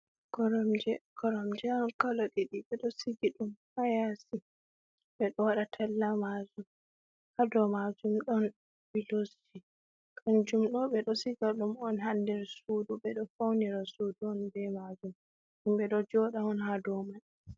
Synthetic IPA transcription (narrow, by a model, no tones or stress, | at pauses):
kɔɾɔmd͡ʒɛkɔɾɔmd͡ʒɛɔnkaloɗiɗiɓɛɗɔsiɡiɗumhajasi | ɓɛɗɔwaɗatʰalːamad͡ʒum | hadɔmad͡ʒumɗɔn | bilos | i | kʰand͡ʒumɗɔɓɛɗɔsiɡaɗumɔnɦandɛɾsuduɓɛɗɔfawniɾasuduɔnbɛmad͡ʒum | umɓɛɗɔd͡ʒɔɗaɔnhadɔman